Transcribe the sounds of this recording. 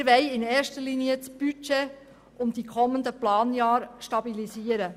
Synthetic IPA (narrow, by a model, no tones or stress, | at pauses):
ɾʋɛɪɪneːɾʃtəɾliːniət͡sb̥yt͡ʃe | ʔʊmd̥̪ikʰɔmːənd̪əplɑːnjɑːɾʃtɑbilisiːəɾə